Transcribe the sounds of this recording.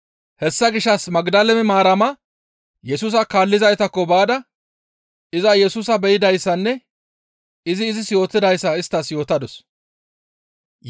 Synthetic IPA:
hɛsːɐɡɪʃːɐsmɐɡd̪ɐlɛmɛmaːɾɐmɐ | jɛsuːsɐkaːlːɪzɐjt̪ɐkːɔbaːd̪ɐ | ɪzɐjɛsuːsɐbɛjɪd̪ɐjsːɐnːɛ | ɪzɪːzɪsjo̞ːt̪ːɪd̪ɐjsːɐɪst̪ːɐsjo̞ːt̪ɐd̪ɔs

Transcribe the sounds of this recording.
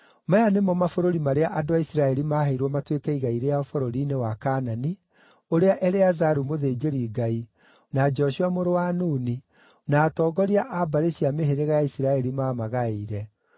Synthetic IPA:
majanemɔmafoɾoɾimaɾeaʔadoaisiɾaɛɾimahaiɾwɔmatwekɛiɣaiɾejaɔfɔɾoɾinewakanani | oɾeaʔɛɾeazaɾumoðeːd͡ʒeɾiːɡai | nad͡ʒɔʃiamoɾowanuni | naːtɔːɡɔɾiaʔabaɾeɕiameɦeɾeɣajaisiɾaɛɾimaːmaɣaeɾɛ

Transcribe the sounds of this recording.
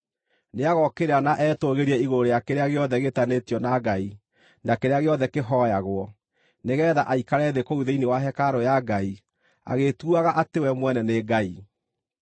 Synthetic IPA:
neaɣɔkeɾanaʔɛːtoɣeɾiɛiɣoɾejakeɾeaɣeɔðɛɣetanetijɔnaɡai | nakeɾeaɣeɔðɛkeɦɔjaɣwɔ | neɣɛːðaʔaikaɾɛðekouðeinewaɦɛkaɾojaɡai | a̰ɣetuaɣaʔatewɛmwɛnɛneɡai

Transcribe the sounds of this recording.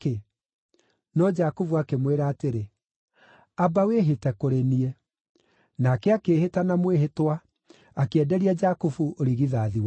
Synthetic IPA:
ke | nɔd͡ʒakuvuakemweɾaːteɾe | abaweɦetɛkoɾeniɛ | nakɛakeːhetanamweɦetwa | akeɛdɛɾiad͡ʒakufuʔoɾiɣiðaːðiwa

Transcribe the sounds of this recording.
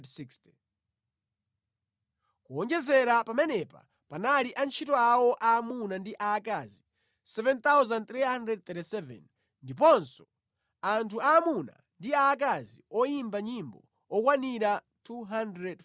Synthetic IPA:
dsikstɛ | kuɔnd͡ʒɛzɛɾapamɛnɛpa̰ | panaliʔant͡ʃʰitɔawɔʔamunandiʔaːkazi | sɛvɛnt̪awzant̪ɾiɦandɾɛd̚t̪ɛtisɛvɛ̰n | ndip̬ɔnsɔ̥ | antʰuaːmuna̰ | ndiaːkaziɔjimbaɲimbɔ̰ | ɔkwaniɾa | tʰuɦandɾɛd

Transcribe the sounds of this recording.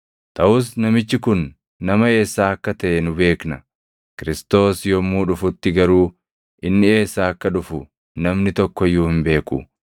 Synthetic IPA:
t̪ɐʔʊsnɐmɪt͡ʃːɪkʊnː | ɐmɐe̞ːsːaːɐkːɐt̪ɐʔɛnʊbe̞ːknɐ | kɪɾɪst̪o̞ːsjɔmːuːᶑʊfʊt̪ːɪɡɐɾuː | ʔɪnːɪe̞ːsːaːɐkːɐᶑʊfʊ | nɐmnɪt̪ɔkːɔjːuːhɪmbe̞ːkʊ̰

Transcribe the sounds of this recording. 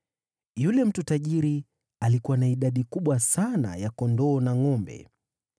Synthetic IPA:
julɛm̩tutaʄiɾi | alikuwanaiɗaɗikuɓwasana̰jakɔndɔːnaŋɔmbɛ̰

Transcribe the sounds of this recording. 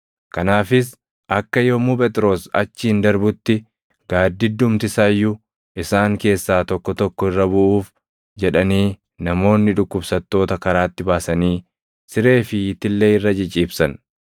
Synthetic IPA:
kɐnaːfɪs | ʔɐkːɐjomuːpʼɛt̪ʼɪɾo̞ːsɐ̰t͡ʃːɪhɪnd̪ɐɾbʊt̪ːɪ | ɡ̥aːd̪ːɪd̪ʊmt̪ɪsajːʊ | ʔɪsaːŋke̞ːsːaːt̪ɔkːɔt̪ɔkːɔɪrːɐbʊʔuːf | d͡ʒɛᶑɐniː | nɐmo̞ːnːɪᶑʊkːʊbsɐt̪ːo̞ːt̪ɐkɐɾaːt̪ːɪbaːsɐniː | sɪɾe̞ːfɪɪt̪ːɪlːe̞ːɪrːɐd͡ʒɪt͡ʃʼiːbsɐn

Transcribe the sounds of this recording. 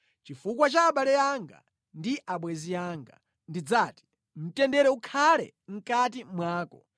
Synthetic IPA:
t͡ʃifukwat͡ʃaːɓalɛjaŋɡa̰ | ndiʔaɓwɛziaːŋɡa̰ | ndid͡zaːti̥ | m̩tɛndɛɾɛukʰalɛ̰ | ŋ̩kat̬imwaːkɔ̰

